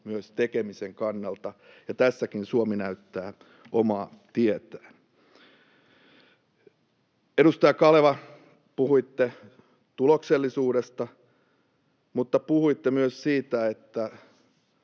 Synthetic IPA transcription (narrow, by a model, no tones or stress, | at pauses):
myøst̪ekemiseŋkɑnːɑlt̪ɑjɑt̪æsːækinsuominæyt̪ːæː | ʔomɑːt̪iet̪æ̥ː | eɾust̪ɑjɑkɑleʋɑ | puhuit̪ːe | t̪ulokselːisuːɾest̪ɑ | mut̪ːɑpuhuit̪ːemyøssiːt̪æet̪ːæ